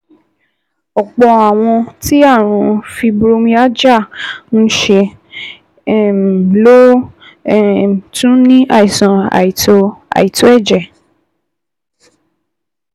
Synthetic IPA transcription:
ɔ˨k͡pɔ˧a˨w̃ɔ̃˧ti˦a˦˨ɾ̃ũ˨˧˦fi˧bɾo˧˦mĩ˧a˦d͡ʒa˦˨n̩˦ʃe˧˦˨ | blo˦˨ | tũ˦nĩ˦a˦˨i˨sã˨˧a̰˨i˨to˧a̰˨i˨to˨˦ɛ˦˨d͡ʒɛ˨

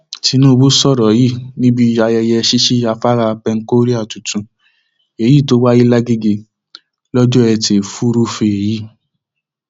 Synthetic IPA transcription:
ti˧nũ˦˧bo˦sɔ˦˨ɾɔ˨ji˦˨nĩ˦bi˦a˧jɛ˧jɛ˧ʃi˦ʃi˦a˧fa˦ɾa˧pɛ˧ŋ̩˦ko˦ɾi˦a˦˨tu˨tũ˧ | e˨ji˦˨to˦wa˦ji˦la˦ɡe˦ɡe˧ | lɔ˦d͡ʒɔ˦ɛ˧te˨fu˦ɾu˦fe˧e˨ji˦

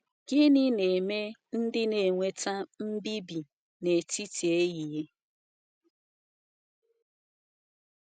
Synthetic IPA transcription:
ɡɪ˦nɪ˦ne˨me˦n̩˦dɪ˦ne˨ŋʷe˨ta˦m̩˦bi˦bi˨ | ne˨ti˦ti˨e˦ɣi˨je˦

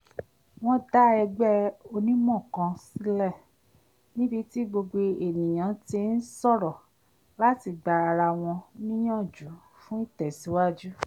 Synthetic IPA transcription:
w̃ɔ̃˦da˦ɛ˧ɡ͡bɛ˦o˧nĩ˦mɔ̃˦˨kã˧si˦lɛ˦˨ | nĩ˦bi˧ti˦ɡ͡bo˧ɡ͡bo˧e˨nĩ˨j̃ã˨˦ti˧˦n̩˦sɔ˦˨ɾɔ˨ | la˦ti˧˨ɡ͡ba˨ɾa˧ɾa˧w̃ɔ̃˧nĩ˦j̃ã˦˨d͡ʒu˨˦ | fũ˦i˦˨tɛ˨si˨˦wa˦d͡ʒu˦

